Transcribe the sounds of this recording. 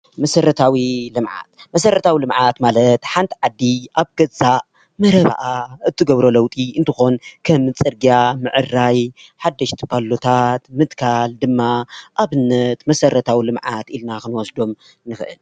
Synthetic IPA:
mɐsɐɾɐt̪ʰawilɨmʕa̰t̪mɐsɐɾɐt̪ʰawilɨmʕat̪malɐt̪ħant̪ʰʕad̪ːiʔaβɡ̥ɐza | mɐɾɐβa̰ʔaɨt̪ʰːɨɡɐβɾo̞lɐwt̪ʼiʔɨnt̪ʰɨxo̞nkʰɐmɨt͡sʼɨɾɡijamɨʕɨrːaj | ħad̪ːɐʃt̪ʰi̥pʰalːot̪ʰat̪mɨt̪kʰald̪ɨmːaʔaβɨnːɐt̪mɐsɐɾɐt̪ʰawilɨmʕat̪ilnakɨnwɔsd̪o̞m | nɨxɨʔɨ̰l

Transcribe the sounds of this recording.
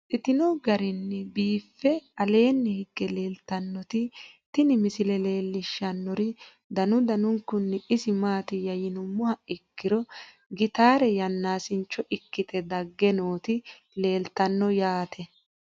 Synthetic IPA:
ʔɪt̪ɪnɔɡɐɾɪnːɛbiːfːɛɐle̞ːnːɛhɪɡːɛle̞ːlt̪ɐnːɔt̪ɪt̪ɪnɪmɪsɪlɛle̞ːlːɪʃːɐnːɔɾɪ | d̪ɐnʊd̪ɐnʊŋkːʊnːɛɪsɪmaːt̪ɪjɐjɪnʊmːʊhɐɪkːɪɾɔ | ɡɪt̪aːɾɛjɐnːaːsɪnt͡ʃːɔʔɪkːɪt̪ʰɛd̪ɐɡːɛnoːt̪ɪ | le̞ːlt̪ːɐnːɔjaːt̪ʰɛ

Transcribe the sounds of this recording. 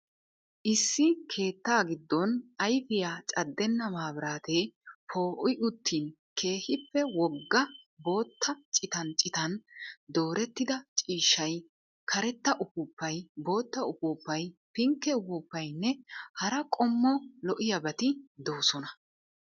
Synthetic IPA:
ʔɪsːɪkʰe̞ːt̪ːaːɡɪd̪ːɔnɐjfɪjaːt͡ʃʼɐd̪ːɛnːɐmaːbɪɾaːt̪eːpʰo̞ːʔʊʔʊt̪ʰːiːn | kʰe̞ːhɪpːɛwɔɡːɐ | bo̞ːt̪ʰːɐt͡ʃʼɪt̪ɐnt͡ʃʼɪt̪ɐnd̪o̞ːɾɛt̪ːɪd̪ɐt͡ʃʼiːʃːɐj | kʰɐɾɛt̪ːɐʔʊpʊpːɐjbo̞ːt̪ːɐʊpupːɐjpɪŋkːɛʊpʊpːɐjnːɛhɐɾɐkʼɔmːɔlɔʔɪjɐbɐt̪ɪd̪oːsɔnɐ

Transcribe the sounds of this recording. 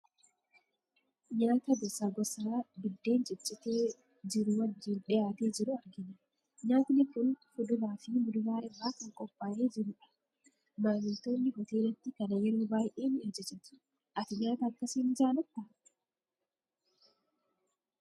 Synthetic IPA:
ɲaːt̪ɐɡɔsːaːɡɔsaːbɪd̪ːe̞ːnt͡ʃʼɪt͡ʃːɪt̪eː | d͡ʒɪɾʊwɐd͡ʒːɪːnᶑɛjaːt̪e̞ːd͡ʒɪɾʊɐɾɡɪnɐ | ɲaːt̪ɪnɪkʊnfʊd̪ʊbaːfɪmʊd̪ʊbaːʔɪbːaːkɐŋkʼɔpʼːaːʔe̞ːd͡ʒɪɾʊᶑɐ̥ | maːmɪlt̪o̞ːnːɪhɔt̪e̞ːlɐt̪ːɪkɐnɐjɛɾoːbaːjʔeːned͡ʒɛt͡ʃːɛt̪ɪ̥ | ʔɐt̪ɪɲaːt̪ɐːkːɐsiːnd͡ʒaːnɐt̪ːaː

